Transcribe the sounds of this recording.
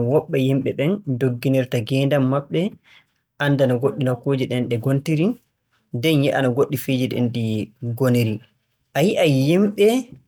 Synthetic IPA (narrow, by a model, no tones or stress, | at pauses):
wɔɓːɛjimɓɛɓɛndoɡːinɛɾtaɡɛːndamːaɓːɛ | ʔanːdanaɡoɗːinakoːd͡ʒiɗɛnɗɛɡontiɾi | dɛnjɛʔanaɡoɗːifed͡ʒiɗɛ̰ndiɡoneɾi | ʔajiʔajimɓɛ